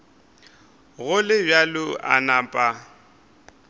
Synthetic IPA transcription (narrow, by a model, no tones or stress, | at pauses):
ɣʊlɪbjalʊʔa̰naːpʼa